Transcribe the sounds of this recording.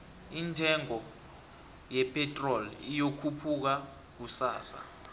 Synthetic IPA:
ind͡ʒʱɛŋɔ | jɛpʰʼɛtʼrɔlijokʰupʰuk̬a | k̬usa̰ːsa̰

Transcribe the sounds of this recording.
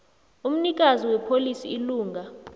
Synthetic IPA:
um̩nik̬ʼaziwɛpʰolisiiluːŋɡʱa

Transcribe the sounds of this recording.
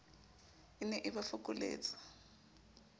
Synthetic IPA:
inɛʔɪβafʊkʼʊlḛːt͡sʼḁ

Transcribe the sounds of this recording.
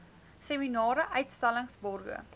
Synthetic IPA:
seminɑːɾəʔœɥtstæləŋsbɔrɡə̰

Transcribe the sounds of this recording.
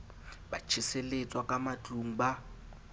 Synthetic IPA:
ba̰t͡ʃʰɪselet͡sʼwakʼamat͡ɬʼuŋ̩ba

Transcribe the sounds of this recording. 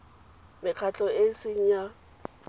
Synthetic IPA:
mɪkʰat͡ɬʼɔesɪɲ̩ɲa

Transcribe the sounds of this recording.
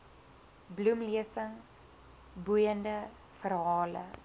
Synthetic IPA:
blumliəsəŋ | bujəndə | fəɾɦɑːlə̰

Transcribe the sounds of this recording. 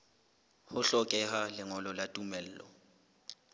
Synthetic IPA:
hʊɬɔkʼɛhalɪŋɔlɔlatʼumɛl̩ːlɔ̰

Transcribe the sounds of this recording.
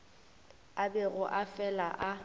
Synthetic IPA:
abɛɣʊʔafɛlaʔa

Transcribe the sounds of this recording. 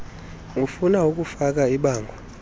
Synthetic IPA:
ŋufunauk̬ʼufak̬aiɓaːŋɡʱwa

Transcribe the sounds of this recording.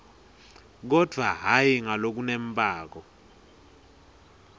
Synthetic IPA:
k̬ɔd̥ʱwaɦajiŋalok̬unempʼaːk̬ɔ

